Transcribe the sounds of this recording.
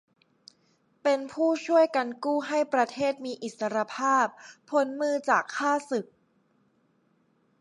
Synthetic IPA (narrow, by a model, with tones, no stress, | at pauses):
pe˧npʰuː˥˩t͡ɕʰu˥˩əjka˧nkuː˥˩ɦa˥˩jpɾa˧t̪ʰeː˥˩t̪̚miː˧ʔi˨˩t̪̚sa˧ɾa˧pʰaː˥˩pʰːo˩˦nmɯː˧t͡ɕaː˨˩kʰːaː˥˩sɯ˨˩k̚